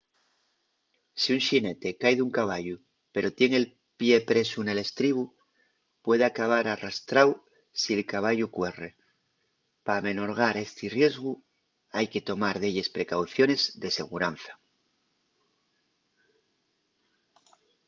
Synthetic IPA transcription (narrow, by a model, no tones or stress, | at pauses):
siuŋʃine̞t̪e̞kajðuŋkaβ̞aʎu | pe̞ɾo̞t̪je̞ŋe̞l | pje̞pɾe̞sune̞le̞st̪ɾiβ̞u | pwe̞ðeakaβ̞aɾarast̪ɾaw | sielkaβ̞aʝukwe̞re | pame̞no̞ɾɣ̞aɾe̞st̪irje̞zɣu | ajke̞t̪o̞maɾðeʎe̞spɾe̞kawθjo̞ne̞zðe̞se̞ɣuɾan̟θḁ